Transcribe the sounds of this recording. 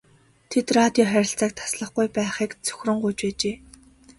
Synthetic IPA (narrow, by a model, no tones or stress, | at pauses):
t̪ʰet̪rat̪ʲjɔχæɾʲɪ̆ɬt͡saːk̚t̪ʰḁsɮə̆χɡujpæːχiːkt͡sʰɵ̥xʲrɵ̆ɴɢujt͡ɕpæːt͡ɕeː